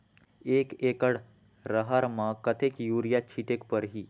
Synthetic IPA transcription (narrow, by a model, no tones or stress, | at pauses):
eːkekəɽ | ɾəɦaɾmãkət̪ʰekjuːɾijat͡ʃʰiʈekpəɾɦi